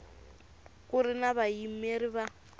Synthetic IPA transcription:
kʊrɪnaβaimeriβa

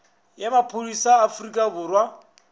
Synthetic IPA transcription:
jamapʰolisaːfrikʼabʊːrwa

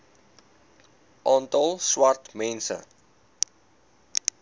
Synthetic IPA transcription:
ʔɑːntɑlˠswɐrtmɛnsə̰

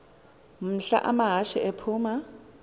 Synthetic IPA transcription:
m̩ɬa̰ʔamaɦaʃɪɛpʰuːma

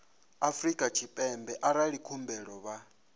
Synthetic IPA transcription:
afrikʼat͡ʃʰipʼɛmbɛʔaɾaɺikʰumbɛɺɔβa

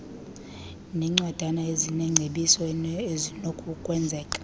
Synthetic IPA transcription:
nɛŋ͡ǀad̥ʱanaezinɛŋ͡ǀʱeɓisɔzinokʼukʼwɛnd͡zʱɛːkʼḁ

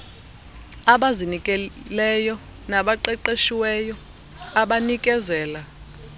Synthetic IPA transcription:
aɓazinikʼɛlɛjɔ | naɓaǃɛǃeʃiwɛjɔ | aɓanikʼɛzɛːla

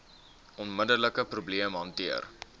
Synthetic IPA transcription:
ɔnmədələkəprubliəmɦɐntiər

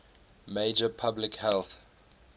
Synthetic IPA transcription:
meɪd͡ʒəpʰablɪkhɛlθ

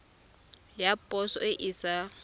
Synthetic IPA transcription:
japʼɔsɔ̰ɪʔisa

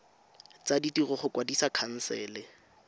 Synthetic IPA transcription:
t͡saditirʊχʊkʼwadisakʰan̩sɛːlɪ

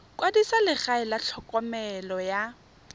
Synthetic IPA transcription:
kʼwadisalɪχaɪlat͡ɬʰɔkʼɔmɛlɔja

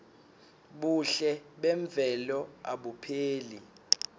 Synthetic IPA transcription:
ɓuɬɛɓɛɱb̪vʱɛlɔaɓupʰeːli

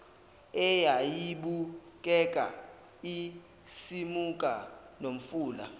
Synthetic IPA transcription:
ɛjajiɓukʼɛkʼa̰ | i | simukʼa | nom̩fuːla̰

